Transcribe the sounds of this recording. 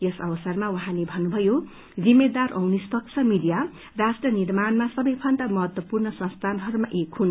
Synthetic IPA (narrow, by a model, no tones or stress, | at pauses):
jʌsʌwʌsʌrmawuɦãlebʱʌnːubʱʌjo | d͡zimːed̪arʔʌ̰wnispʌksʰʌmid̪ija | rasʈrʌnirmanmasʌbʌjpʰʌnd̪amʌɦʌt̪wʌpurnʌsʌ̃nst̪ʰanɦʌɾumaʔekhun